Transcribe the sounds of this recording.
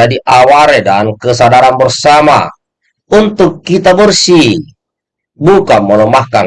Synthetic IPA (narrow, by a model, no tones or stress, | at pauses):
adiʔawaɾedankəsadaɾanbərsama̰ | unt̪ukːit̪abərsi | bukamːɔnɔmahkan